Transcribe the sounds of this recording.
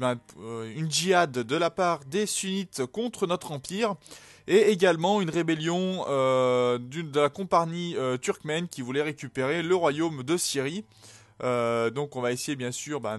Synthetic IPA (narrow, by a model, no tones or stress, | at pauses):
bɛ̃ynʒiad̪ːəlapaʁd̪esynit̪kɔ̃t̪χənɔt̪χɑ̃piːʁ | eeɡʲalmɑ̃ynʁebeljɔ̃ød̪yd̪əlakɔ̃paʁɲiøt̪yʁkmɛnkʲivulɛʁekʲypeʁeləʁwajomd̪əsiʁi | ød̪ɔ̃kɔ̃vaesejebjɛ̃syːʁbɛ